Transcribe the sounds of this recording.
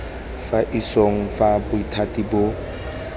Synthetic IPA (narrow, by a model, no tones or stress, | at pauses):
faʔisoŋ̩fabʊitʰatʼibʊ